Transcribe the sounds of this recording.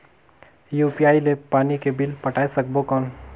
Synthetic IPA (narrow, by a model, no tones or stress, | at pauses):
juːpiaːilepaːnikebɪlpɐʈʰaːesɐk̚bokɔːn